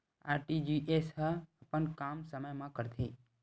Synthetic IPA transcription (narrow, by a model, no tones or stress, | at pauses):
aɾʈid͡ʒiʔeshəəpəɳkamsəməjmãkəɾt̪ʰi